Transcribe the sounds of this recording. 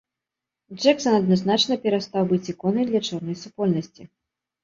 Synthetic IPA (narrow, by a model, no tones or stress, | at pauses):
d͡ʐɛksɐnɐd̪̚naznat͡ʂnɐpʲɛɾast̪awbɨt͡sʲikɔnɐjd̪lʲɐt͡ʂɔrnɐjsupɔlʲnɐsʲt͡sʲi